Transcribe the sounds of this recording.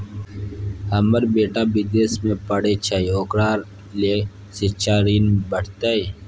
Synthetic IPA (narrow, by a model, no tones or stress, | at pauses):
hɐməɾbeːʈaːbid̪eːsmẽpəɽet͡ʃʰaioːkɾaːɾ | le | sit͡ʃʰaːɾiːnbəʈt̪ai